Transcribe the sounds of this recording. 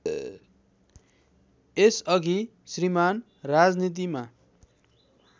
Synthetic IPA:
esʌɡi | sriman | rad͡znit̪̬ima

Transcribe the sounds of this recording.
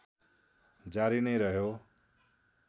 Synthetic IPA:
d͡zaɾinʌjɾʌɦjo

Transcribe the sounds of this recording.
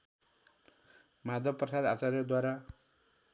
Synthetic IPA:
mad̪ʱʌbprʌsad̪at͡saɾjʌd̪waɾa

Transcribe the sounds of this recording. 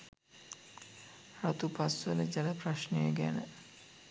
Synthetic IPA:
ɾat̪upasʋələd͡ʒaləpraʃnəjəɡæ̰nə

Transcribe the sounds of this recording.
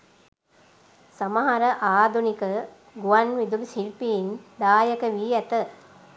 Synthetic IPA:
sɐmaɦaɾəʔaːd̪ʱunikə | ɡuʋanʋid̪ulsilpiːnd̪aːjəkəʋiːæt̪ə

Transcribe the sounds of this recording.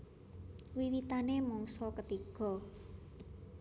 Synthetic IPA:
wiwit̪anemɔŋsɔkət̪iɡ̥ɔ̤

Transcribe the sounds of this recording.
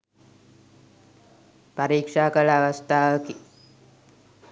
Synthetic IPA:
paɾiːkʂaːkəɭəaʋast̪ʰaːʋəki

